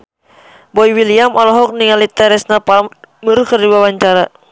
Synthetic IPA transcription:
bɔiwiliamʔɔlɔɦɔk̚niŋalit̪ɛɾɛsnapamurkərdiwawaɲt͡ʃaɾa

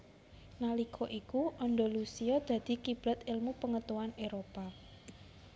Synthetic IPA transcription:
nalikʰɔʔikuʔɔnɖɔlusiɔd̪̥ä̤d̪̥i̤kib̥ɾɔ̤t̪ɪlmupəŋət̪uwaneɾopa

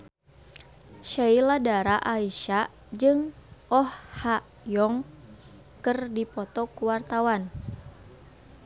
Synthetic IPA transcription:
ʃailadaɾaʔaiʃa | d͡ʒɨŋʔɔhha | jɔŋ | kɨrdipɔt̪ɔkuwart̪awan

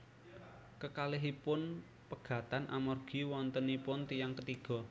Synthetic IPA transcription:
kəkalɪɦipʊn | pəɡ̥ä̤t̪anʔamɔrɡ̥i̤wɔnt̪ənipʊnt̪ijaŋkət̪iɡ̥ɔ̤

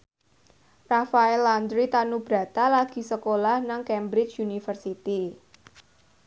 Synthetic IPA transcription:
rafaɛland̪ɾit̪anub̥ɾä̤t̪alaɡ̥i̤səkolahnaŋkɛmbɾɪt͡ʃunifərsit̪i

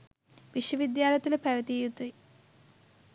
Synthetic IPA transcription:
ʋiʃjəʋid̪jaːlɐt̪uləpæʋət̪iːjut̪ui

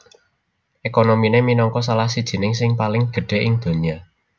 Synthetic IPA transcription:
ʔekonomineminɔŋkɔsalahsid̥ʒ̥i̤nɪŋsɪŋpalɪŋɡ̥ə̤ɖ̥e̤ʔɪŋd̪̥o̤ɲia

